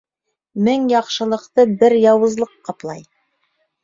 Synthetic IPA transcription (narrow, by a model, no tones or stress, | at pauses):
mɘŋjɑqʃɤ̆lˠɤ̆qt̪ɤbɘɾjɑwɤ̆zlˠɤqːɑplˠɑj